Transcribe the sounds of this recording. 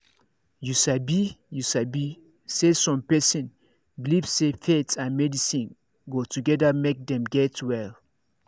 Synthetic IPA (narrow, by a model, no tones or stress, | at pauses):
jusabijusabi | sesɔ̃mpɛsĩn | bilivsefetsãnmɛdisĩn | ɡotʰuɡɛdamek̚dɛ̃mɡɛtwɛl